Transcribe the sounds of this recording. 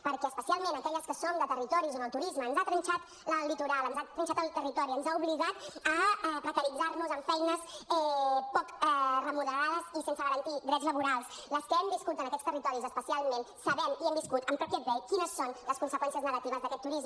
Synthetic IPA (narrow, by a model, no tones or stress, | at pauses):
pəɾkɛəspəsialˠmenəkɛʎəskəsond̪ət̪ərit̪ɔɾizonðəlˠt̪uɾizməːnzat̪ɾənt͡ʃat̪ | ləlit̪uɾalˠənzat̪ɾənʲt͡ʃat̪əlˠt̪ərit̪ɔɾiənzauβliɣat̪əɛpɾəkəɾid͡zarmuzəɱfɛjnəsɛpɔkɛrəmuðəɾað̞əzisensəɣəɾənt̪id̪ɾɛzləβuɾalˠsləskəɛmbiskut̪ənəkɛt̪st̪ərit̪ɔɾizəspəsialˠmensəβɛmiɛmbiskut̪əmpɾakjɛd̪ɾɛkinəsːonləskunsəkwɛnsiəznəɣət̪iβəzðəkɛt̪ːuɾiz